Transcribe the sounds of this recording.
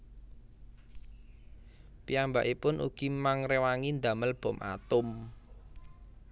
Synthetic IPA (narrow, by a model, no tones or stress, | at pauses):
piamba̰ʔipʊnʔṵɡ̥imaŋrewaŋind̪äməlb̥ɔ̤mʔa̰t̪ʊm